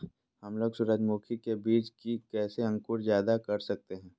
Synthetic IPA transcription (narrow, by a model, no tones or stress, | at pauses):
hɐmloːɡsʊɾəd͡ʒ̪muːkʰikebiːt͡ʃkikɛːseɐ̃ŋkʊɾzjaːd̪akɐɾsɐk̚t̪eɦɛ̃ː